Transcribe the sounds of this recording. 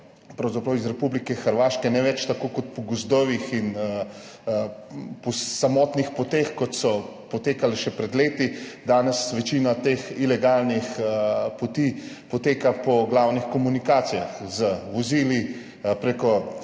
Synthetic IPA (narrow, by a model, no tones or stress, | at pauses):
pɾɐwzapɾɐwizɾɛpublikɛxəɾʋaːʃkɛnɛʋɛt͡ʃt̪akoːkɔt̪̚pɔɡɔzd̪ɔʋixin | pɔsamɔːt̪nixpɔt̪exkɔt̪sɔ | pɔt̪eːkalɛʃɛpɾɛd̪leːt̪id̪aːnɛsʋɛt͡ʃinat̪exilɛɡalnixpɔt̪iː | pɔt̪eːkapɔɡlawnixkɔmunikaːt̪sijaxzəʋɔziːli | pɾekɔ